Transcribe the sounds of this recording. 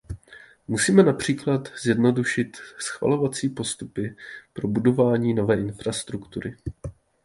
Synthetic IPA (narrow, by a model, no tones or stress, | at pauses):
musiːmɛnapr̝̥iːklat̪z̥jɛdno̞duʃɪt̪sxva̰lo̞vat͡siːpo̞st̪upɪpɾo̞budo̞vaːɲiːno̞vɛːʔɪnfɾast̪ɾukt̪uɾɪ